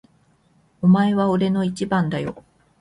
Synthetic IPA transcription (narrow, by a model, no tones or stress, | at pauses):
omae̞βao̞ɾe̞no̞it͡ɕibãnd̪ajo̞̰